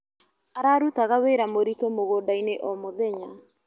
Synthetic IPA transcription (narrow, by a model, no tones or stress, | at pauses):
aɾaːɾutaɣaweɾamoɾitomoɣoːdaineʔɔmoðɛɲa